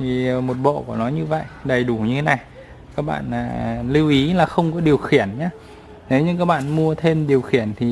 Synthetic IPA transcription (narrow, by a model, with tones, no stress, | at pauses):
t̪ʰi˨˩mo˨˩t̚ɓɔ̰˧˨kɔ˨˦nɔ˨˦jɲɨ˧və̰˧˨jɗə˨˩jɗu˧˩ɲɨ˧t̪ʰe˨˦na˨˩j | kaː˦˥k̚ɓa̰ː˧˨naː˨˩li˧wʔi˨˦laː˨˩xə˧wŋ͡mkɔ˨˦ɗi˨˩əwxi˧˩ənɲaː˧˦ | ne˨˦wɲɨ̰˧ŋkaː˦˥k̚ɓa̰ː˧˨nmu˧ət̪ʰe˧mɗi˨˩əwxi˧˩ənt̪ʰi˨˩